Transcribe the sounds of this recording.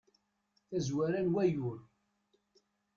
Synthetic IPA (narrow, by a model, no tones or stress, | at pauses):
θæzwæɾænwæjʊɾ